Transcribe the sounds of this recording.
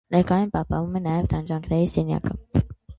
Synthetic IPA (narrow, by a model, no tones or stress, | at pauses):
nɛɾkɑjunpɑhpɑnvumɛnɑjɛvd̪ʰɑnd͡ʒɑŋkʰnɛɾisɛnjɑ̰kə